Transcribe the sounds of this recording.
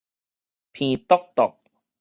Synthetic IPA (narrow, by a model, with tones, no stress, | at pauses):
pʰiː˧t̪ɔ˥k̚t̪ʊ˨˩k̚